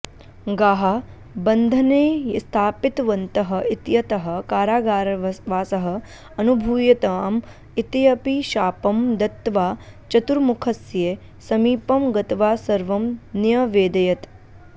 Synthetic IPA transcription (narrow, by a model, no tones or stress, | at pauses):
ɡaːɦa | bɐnd̪ʱɐneːst̪ʰaːpɪt̪ʋɐnt̪ɐɦɐ̆ʔit̪jɐt̪ɐɦɐ̆kaːɾaːɡaːɾʋaːsɐɦɐ̆ | ɐnubʱuːjɐt̪aːm | it̪jɐpiʃaːpɐmd̪ɐt̪ːʋaːt͡ʃɐt̪uɾmukʰɐsje | sɐmiːpɐmɡɐt̪ʋaːsɐɾʋɐmnjɐʋeːd̪ɐjɐt̪